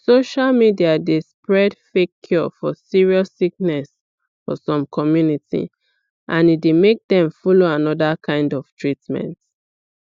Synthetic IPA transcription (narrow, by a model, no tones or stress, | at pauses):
soʃalmidiadespɹɛdfekʰjɔfɔsiɹiɔssik̚nɛs | fɔ̰sɔ̃mkʰɔmjunitḭ | ʔãnidemek̚dɛ̃ɱfɔloãnɔdakʰãɪ̃ndɔv̥tʰɹitmɛ̰̃nt